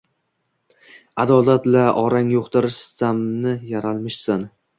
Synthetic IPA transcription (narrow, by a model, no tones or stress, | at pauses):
ad̪ɒlat̪laʔɒɾaŋjoqt̪ɪɾɪʃsamnɪjaɾalˠmɪʃsan